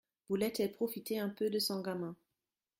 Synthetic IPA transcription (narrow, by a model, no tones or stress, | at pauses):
vulɛt̪ɛpχofit̪eɛ̃pød̪əsɔ̃ɡamɛ̃